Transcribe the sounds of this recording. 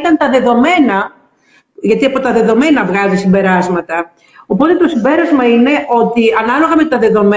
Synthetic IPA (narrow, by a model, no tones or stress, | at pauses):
t̪ɐnt̪ɐðe̞ðo̞me̞nɐ | ʝɐt̪iɐpo̞t̪ɐðe̞ðo̞me̞nɐvɣɐzisimbe̞ɾɐzmɐt̪ɐ | o̞po̞t̪e̞t̪o̞simbe̞ɾɐzmɐine̞ʔo̞t̪iɐnɐlo̞ɣɐme̞t̪ɐðe̞ðo̞m